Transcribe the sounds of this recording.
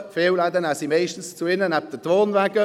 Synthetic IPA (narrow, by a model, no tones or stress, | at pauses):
feːwlad̪ənasimaɪʃtən̩st͡suɪnənap̚d̥ətʁoːnvæɡə